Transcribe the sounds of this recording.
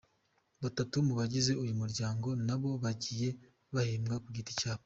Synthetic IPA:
βatatumuβaɟize̞ujumuɾɟaːŋɡo̞naβo̞βaɟiːje̞ | βahiːmɡakuɡiti̥caːβo

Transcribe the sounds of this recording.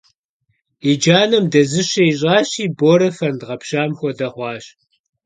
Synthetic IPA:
id͡ʒaːnɐmdɐzɨɕɐiɕʼɑːɕiːboːɾɐfɐndʁɐpɕaːmxʷɔdɐχʷɑːɕ

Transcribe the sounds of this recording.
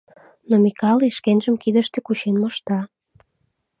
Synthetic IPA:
nomikɑliʃkenʒəmkid̪əʃt̪ekut͡ɕenmoʃt̪ɑ

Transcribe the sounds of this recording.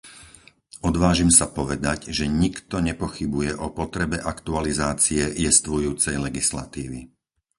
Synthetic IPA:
ɔd̪ʋaːʒimsapɔʋɛd̪aɟʒɛɲikt̪ɔɲɛpɔxibujɛʔɔpɔt̪ɾɛbɛʔakt̪ualizaːt͡siɛjɛst̪ʋɔjuːt͡sɛjlɛɡisla̰t̪iːʋi

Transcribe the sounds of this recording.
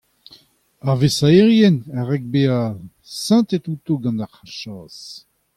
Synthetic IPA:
aʁvesaeʁjɛnaʁɛk̚bea | sɑ̃t̪et̪ut̪oɡɑ̃ndaʁaʃɑːs

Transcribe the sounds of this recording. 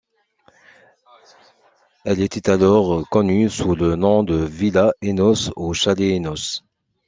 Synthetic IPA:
ɛlet̪ɛt̪alɔʁkɔnysulənɔ̃d̪əvilaenɔsoʃaleːnɔs

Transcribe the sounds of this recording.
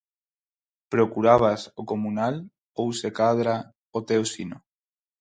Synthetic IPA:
pɾokuɾaβ̞asokomunal | owsekaðɾa | ot̪eosino

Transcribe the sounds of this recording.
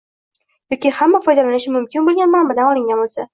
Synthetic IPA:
jɒkʲɪhamːafɒjd̪alanɪʃɪmʊmkʲɪnbolˠɡʲanmambad̪anɒlˠɪŋɡʲanbolˠsa

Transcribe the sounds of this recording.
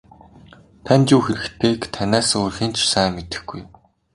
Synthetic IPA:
t̪ʰænt͡ɕuːxeɾɘ̆kt̪ʰeːkt̪ʰænʲæːsʊrxiːnt͡ɕʰsæːmet̪ɘ̆xɡ̥uj

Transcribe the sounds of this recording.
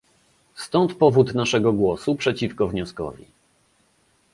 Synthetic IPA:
st̪ɔnt̪pɔvut̪naʂɛɡɔɡwɔsupʂɛt͡ɕifkɔvɲɔskɔ̰vʲḭ

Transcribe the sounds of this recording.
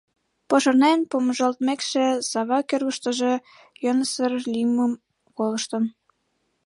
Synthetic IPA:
poʃɤ̆rnenpoməʒəlt̪mekʃĕsɑβɑkørɣə̆ʃt̪ə̆ʒe | jɤnəsərliməm | kolə̆ʃt̪ə̆n

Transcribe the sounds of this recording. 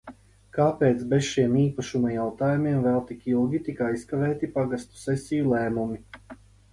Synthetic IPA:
kaːpeːt̪sbesʃiɛmiːpaʃumajawt̪aːjumiɛmvɛlˠt̪ikilˠɡʲit̪ikajskavɛːt̪ipaɡast̪u̥sɛsijulˠɛːmumi

